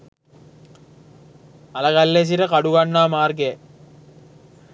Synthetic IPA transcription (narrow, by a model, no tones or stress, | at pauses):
ɐlɐkɐlːes̬iɾɐkɐɽuʋɐɳːaːmaːrɡeː